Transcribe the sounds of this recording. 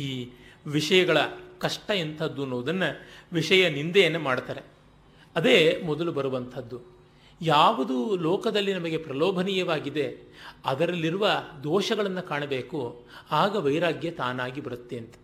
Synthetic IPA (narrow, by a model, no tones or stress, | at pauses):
iːʋiʂɐjɐɡɐɭɐkɐʂʈɐent̪ʰɐd̪ːunɔːʋɐd̪ɐnːɐʋiʂɐjɐnind̪ɛjɐnːɐmaːɽt̪aːɾe̞ | ɐd̪e̞ːmɔd̪ɐlubɐɾuʋɐnt̪ʰɐd̪ːu | jaːʋɐd̪ulɔːkɐd̪ɐlːinɐmɐɡe̞pɾɐlɔːbʱɐnijɐʋaːɡid̪e̞ɐd̪ɐɾɐlːiɾuʋɐd̪ɔːʃɐɡɐɭɐnːɐkaːɳɐbeːkuaːɡɐʋɐjɾaːɡjɐt̪aːnaːɡibɐɾut̪ːeɐnt̪ɐ̥